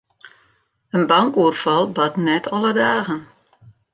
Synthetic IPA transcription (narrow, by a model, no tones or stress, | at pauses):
ənbaŋkuərfɑlˠbatnɛtʰɔlˠədaːɣən